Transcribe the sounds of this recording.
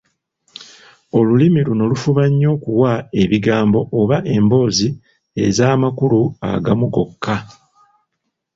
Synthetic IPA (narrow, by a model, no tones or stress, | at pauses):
o̞lulimiluno̞lufuβaɲːo̞kuwae̞βiɡaːmbo̞ʔoβaʔe̞mbo̞ːzi | e̞zaːmakulua̰ɡamuɡo̞kʰːa